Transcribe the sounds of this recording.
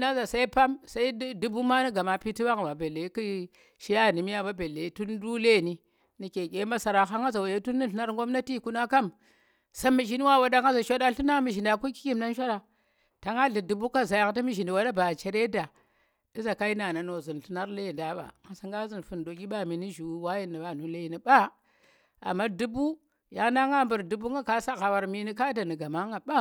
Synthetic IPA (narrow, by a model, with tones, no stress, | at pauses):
na˦za˨sa˦i˦pa˦msa˦i˦du˦bu˦ma˦ni˦ɡa˨ma˨pi˦ti˦ba˦ŋa˨ma˨be˨le˨˦ki˦ | ʃi˦ja˦˨ni˨mi˦a˦ba˦be˨le˨i˦tu˦ndu˦le˦˨ni˨ | ni˨kʲe˨kʲe˨˦ma˦sa˨ɾa˨ɦa˦ŋa˦za˨wa˨je˦tu˦nːi˦˨ɬɨ˦na˦ɾŋɡo˦mna˦ti˦˨ku˦na˦ka˦m | sa˦mi˨ʃi˦ni˦wa˦˨wa˦da˦ŋa˦za˨ʃo˦da˦ɬu˦na˦mi˨ʃi˨nda˨ku˦ki̥˦kʲi˦mna˦nʃʷa˦ɾa˨ | ta˨ŋa˦ɮi˨du˨bu˦ka˦za˨ja˨ŋ˦ta˦mi˦ʒi˨ni˨wa˦da˦ba˨t͡ʃe˨ɾe˦da˨ | i˦za˨ka˦i˦na˨na˨no˨zi˨n˨ɬi˦na˦ɾle˦i˨nda˨ɓa̰˨ŋa˨sa˨˦ŋɡa˦zi˨n˨fu˨ndo˨ɡʲi˦ɓa˦mi˨ni˦ʒu˨˦wa˦ji˦ni˨ɓa˨nu˨˦le˦i˦ni˨ɓa˦ | a̰˨mːa˦du˦bu˦ | ja˨ŋ˦na˦ŋɡa˦˨mbu˨ɾdu˨bu˦ŋɡa˦ka˦sa˦ɣa˨wa˨ɾmi˦ni˦ka˦da˨ni˨ɡa˨ma˦ŋa˨ɓa˦